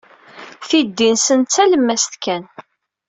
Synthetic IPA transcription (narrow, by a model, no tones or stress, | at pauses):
θid̪ːinsənt͡sːæləmːæsθkæn